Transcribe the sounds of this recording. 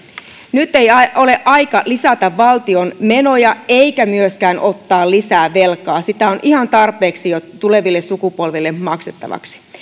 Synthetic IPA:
nyt̪ːe̞jɑʔo̞le̞ʔɑikɑlisɑt̪ɑʋːɑlt̪io̞nmeno̞jɑeikæmyøskæːnʔo̞t̪ːɑːllisæːʋelkɑːsit̪æo̞nʔihɑnt̪ɑrpˑe̞ːksijot̪ːule̞ʋilːessukupolʋilːemmɑkset̪ːɑ̰ʋɑ̰ksi̥

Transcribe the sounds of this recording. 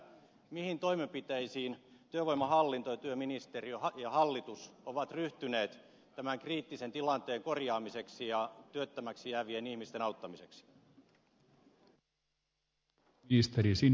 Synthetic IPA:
mihint̪o̞imempit̪eisiːnt̪yøʋojmːˑɑhɑlːint̪ojɑt̪yøminist̪eriøjɑhɑlːit̪usoʋɑt̪ryht̪yneːt̪ | t̪æmæŋkriːt̪ːisent̪ilɑnt̪eːŋkorjɑːmise̞ksijɑt̪yøt̪ːæmæksijæːʋienihmist̪enɑut̪ːɑmise̞ksi̥ | ist̪eɾisin

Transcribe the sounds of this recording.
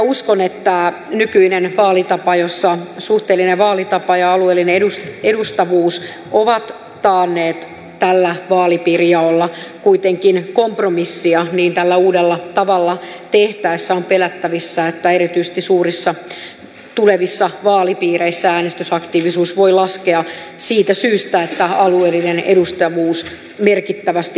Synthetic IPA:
uskonet̪ːæ | nykyinenʋɑːlit̪ɑpɑjosːɑsuht̪eːlːineʋɑːlit̪ɑpɑjɑɑlueːlːineedusedust̪ɑʋuːs | oʋɑt̪ː | ɑːnːeːt̪ | t̪ælːæʋɑːlipiːrijɑolːɑkuit̪eŋkinkompromisːiɑniːnt̪ælːæuːdelːɑt̪ɑʋɑlːɑt̪eht̪æisːæompelæt̪ːæʋisːæet̪ːæeɾit̪yise̥st̪isuːrisːɑ | t̪uleʋisːɑʋɑːlipiːɾeisːææːnest̪ysɑkt̪iːʋisuːsʋoilɑskeɑsiːt̪æsyːst̪æet̪ːæɑlueːlːinenḛdust̪ɑʋuːs | merkit̪ːæʋæst̪i

